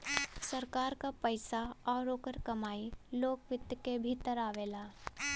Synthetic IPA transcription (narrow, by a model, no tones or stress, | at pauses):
səɾkaːɾkapəɪsaɔːɾoːkəɾkɐmaːiloːkʋɪt̪jəkebʱit̪əɾaːʋeːlaː